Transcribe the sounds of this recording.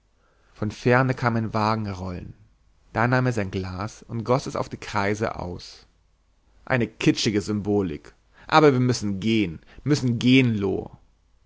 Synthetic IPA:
fɔnfɛɐnəkʰaːmaɪnvaːɡŋ̩ʁɔlən | d̥aːnaːmeːɐzaɪnɡlaːsʊntɡ̥ɔsɛsa̰ʊfd̥iːkʁ̥aɪzə̰ʔa̰ʊs | ʔa̰ɪnəkʰɪt͡ʃɪɡəzʏmboːlɪ̰k | ʔa̰ːbɐviːɐmʏsn̩ɡeːən | mʏsn̩ɡeːənlo̰ː

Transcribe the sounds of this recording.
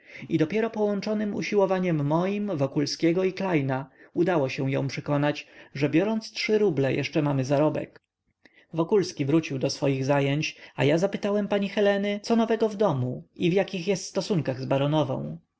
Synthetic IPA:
id̪ɔpʲjɛɾɔpɔwɔnt͡ʂɔnɘmṵɕiwɔvaɲɛmːɔjimvɔkulskʲɛɡɔiklajnaud̪awɔɕɛ̃w̃jɔ̰̃w̃pʂɛkɔnat͡ɕʐɛbʲjɔɾɔnt̪stʂɘɾublɛjɛ̰ʂt͡ʂɛmamɘzaɾɔbɛ̰k | vɔkulskʲivɾut͡ɕiwd̪ɔsfɔjiɣzajeɲt͡ɕa̰jazapɘt̪awɛmpaɲixɛlɛnɘt̪sɔnɔvɛɡɔvd̪ɔmuivjakʲixjɛst̪st̪ɔsuŋkaɣzbaɾɔnɔvɔ̰̃w̃

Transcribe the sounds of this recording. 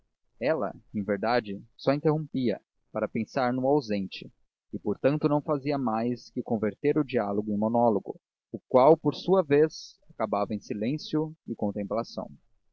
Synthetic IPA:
ɛlɐ̰ẽj̃veɾd̪ad͡ʒɪsɔĩnt̪eɦõmpiɐ̰ | paɾɐpẽsaɾnʊawzẽnt͡ʃɪ | ɪpoɾt̪ɐ̃nt̪ʊnɐ̃w̃faziɐmajskɪkõveɾt̪eɾʊd͡ʒialoɡʊẽj̃monɔloɡʊ̰ | ʊkwawpoɾsuɐvezakabavɐẽj̃silẽsjʊɪkõnt̪ẽmplasɐ̰̃w̃

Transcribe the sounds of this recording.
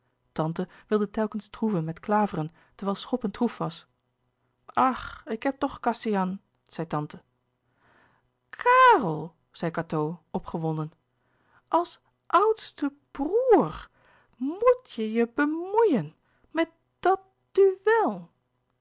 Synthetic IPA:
tɑntəʋɪlˠdətɛlˠkənstruvənmɛtklaːvərən | təʋɛlˠsχɔpəntrufʋɑs | ʔɑχɪkɦɛp̚tɔχkɑsijɑn | z̥ɛjtɑntə | kʰaːrəlˠ | z̥ɛjkatowɔpχəʋɔndən | ʔɑlˠs | ʔʌwtstə | b̥ruːɹ | mutjəjəbəmujən | mɛt̚ | d̥ɑt̚ | d̥yʋɛlˠ

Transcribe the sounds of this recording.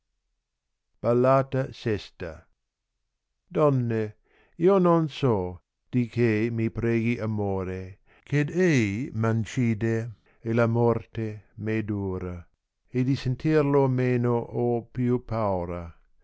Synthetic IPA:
b̥alːaːt̪asɛst̪a | d̪ɔnːe | iːononsɔ | d̪̥ikʰemipɾeːɡiʔamoːɾe | ked̪ejmant͡ʃiːd̪e | elamɔrt̪emed̪uːɾa | ed̪isent̪irlomeːnoʔopjupʰawɾa

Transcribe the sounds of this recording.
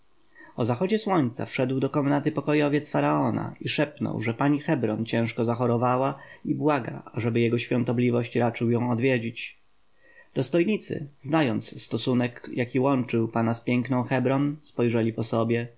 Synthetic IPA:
ɔzaxɔd͡ʑɛswɔɲt̪sa̰fʂɛd̪wd̪ɔkɔmnat̪ɘpɔkɔjɔvʲjɛt̪sfaɾaɔna̰iʂɛpnɔ̰wʐɛpaɲixɛbɾɔnt͡ɕɛ̃w̃ʂkɔzaxɔɾɔvawaibwaɡa̰aʐɛbɘjɛɡɔɕfʲjɔ̃nt̪ɔblʲivɔɕt͡ɕɾat͡ʂɘwjɔ̃w̃ɔd̪vʲjed͡ʑit͡ɕ | d̪̥ɔst̪ɔjɲit̪sɘ̰znajɔnt̪sst̪ɔsunɛkjʔakʲiwɔnt͡ʂɘwpanaspʲjɛŋknɔ̃w̃xɛbɾɔnspɔjʐɛlʲipɔsɔbʲjɛ

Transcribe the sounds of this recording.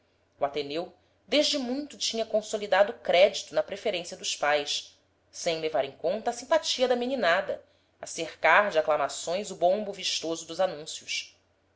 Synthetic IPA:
uat̪enew | d̪eʒd͡ʒɪmũj̃t̪ʊt͡ʃĩɲɐkõsolid̪ad̪ʊːkɾɛd͡ʒit̪ʊnɐpɾefeɾẽsiɐd̪ʊʃpajʃ | sẽj̃levaɾẽŋkõnt̪ɐːsĩpat͡ʃiɐd̪ɐmininad̪ɐ̰ | asehkaɾd͡ʒɪaklamasõj̃zʊbõmbuviʃt̪ozʊd̪ʊzanũsjʊs

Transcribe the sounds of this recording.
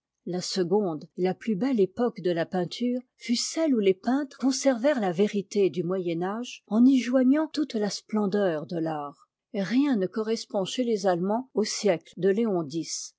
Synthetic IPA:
lasəɡɔ̃d̪elaplybɛlepɔkd̪əlapɛ̃t̪ʰyːʁ | fysɛlulepɛ̃t̪χkɔ̃sɛʁvɛʁlaveʁit̪ed̪ymwajɛnaʒɑ̃niʒwaɲɑ̃t̪ut̪lasplɑ̃d̪œʁd̪əlaːʁ | ʁjɛ̃nəkɔʁɛspɔ̃ʃelezalmɑ̃osjɛkld̪əleɔ̃d̪is

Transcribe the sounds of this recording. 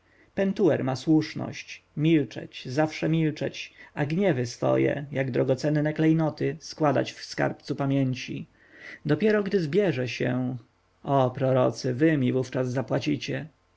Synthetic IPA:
pɛnt̪uwɛɾmaswuʂnɔ̰ɕt͡ɕmʲilt͡ʂɛ̰t͡ɕzafʂɛmʲilt͡ʂɛ̰t͡ɕaɡɲɛvɘsfɔ̰jɛ̰jaɡd̪ɾɔɡɔt̪sɛnːɛklɛjnɔt̪ɘskwad̪a̰t͡ɕfska̰ɾpt̪supamʲjeɲt͡ɕḭ | d̪ɔpʲjɛɾɔɡd̪ɘzbʲjɛʐɛɕɛ̰ | ʔɔpɾɔɾɔ̰t̪sɘvɘmʲivuft͡ʂazːapwat͡ɕit͡ɕɛ

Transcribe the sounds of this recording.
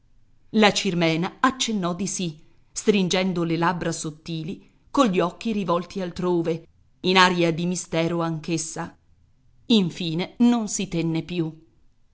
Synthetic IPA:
lat͡ʃirmɛːnaat͡ʃːenːɔd̪isi | st̪ɾind͡ʒɛnd̪olelabɾasot̪ːiːli | koɲʎiɔk̟ːiɾivɔlt̪ialt̪ɾoːve | inaːɾiad̪imist̪ɛːɾoaŋkesːa | iɱfiːnenonsit̪ɛnːepju

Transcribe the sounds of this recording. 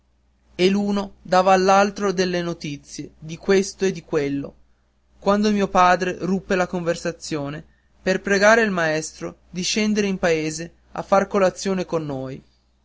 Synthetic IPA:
eluːnod̪aːvaːlːalt̪ɾod̪elːenot̪it̪sːjed̪ikwest̪oed̪ːikwelːo̰ | kwand̪omiːopaːd̪ɾerupːelakoɱversat̪sːjoːne | perpɾeɡaːɾeilmaɛst̪ɾod̪iʃɛnd̪eɾeimpaeːze | a̰fːarkolat̪sːjoːnekonːoːj

